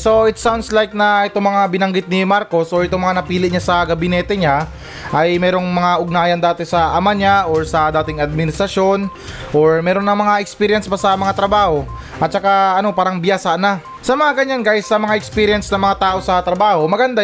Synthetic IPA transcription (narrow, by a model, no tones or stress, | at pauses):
so̞ʔɪt̪sawnd̪slajk̚nɐʔɛt̪o̞ŋmɐŋabɪnɐŋɡɪt̪̚nimaɾko̞sʔoɹʔɛt̪oŋmɐŋanɐpiːlɪtɲasɐɡɐbɪnɛːt̪ɛɲa | ʔɐjmɛːɾo̞ŋmɐŋaʔʊɡ̚naːjɐnd̪aːt̪ɛsɐʔɐmaɲaʔoɹsɐd̪aːt̪ɪŋɐd̪̚mɪnɪst̪ɾɐʃjo̞n | ʔoɹmɛːɾo̞nːɐmɐŋaʔɛkspiːɾjɛnspɐsɐmɐŋat̪ɾɐbaːho̞ | ʔɐt̪̚t͡ʃɐkaɐno̞paːɾɐŋbɪjasaʔna | sɐmɐŋaɡɐɲanɡajsːɐmɐŋaʔɛkspiːɾɪjɛnsnɐŋmɐŋat̪aːʔo̞sɐt̪ɾɐbaːho̞mɐɡɐnd̪a